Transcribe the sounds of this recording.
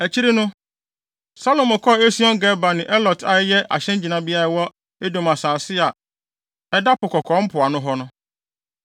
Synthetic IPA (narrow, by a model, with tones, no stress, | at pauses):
æ˨t͡ɕʰi˦ɾi˦nʊ̃˦ | sa˦lo˨mɔ̃˨kʰɔ˦˨e˦si˦ɔ̃˦ŋɡɛ˦ba˨nɪ̃˨ʔɛ˦lɔ˨da˨ɪ˦jɛ˦ʔa̰˨ɕɛ̃˦n˦d͡ʑi˨nã˨bi˦a˦ɾa˨wɔ˦ | e˦dõ˨ma˨saː˨sɪ˦a˨ | ɛ˦da˦pʊ˨kʰɔ˨kʰɔ̃˨˦m̩˦pʰʊ˨a˨nʊ̃˦ɦɔ˦nʊ̃˦